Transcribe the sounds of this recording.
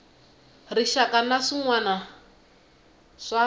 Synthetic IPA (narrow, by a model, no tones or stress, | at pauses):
riʃakanaʂiŋwana | ʂa